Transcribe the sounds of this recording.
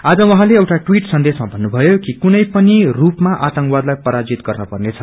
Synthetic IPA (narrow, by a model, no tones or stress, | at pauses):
ad͡zʌwʌ̃ɦãleʌwʈaʈwiʈsʌnd̪esmabʱʌnːubʱʌjokikunʌjpʌnirupmaʔat̪ʌŋkwad̪lajpʌɾad͡zit̪ɡʌrnʌpʌrnet͡sʰʌ